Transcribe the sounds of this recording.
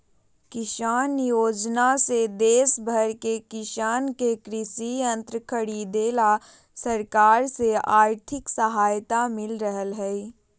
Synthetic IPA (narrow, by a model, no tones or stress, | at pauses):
kɪʃaːnjoːd͡ʒnased̪eːsbʱəɾkekɪʃaːnkekɾɪʃiɐ̃nt̪ɾəkʰəɽid̪eːla | səɾkaːɾseaːɾt̪ʰɪksəɦaːjt̪amɪlɾəɦəlɦɛi